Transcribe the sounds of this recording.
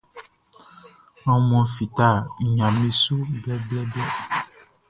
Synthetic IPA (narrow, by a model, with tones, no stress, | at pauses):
nɔ̃˨mɔ̃˨fi˨t̪a˦˨ɲã˨mẽ˨su˦blɛ˦blɛ˦blɛ˦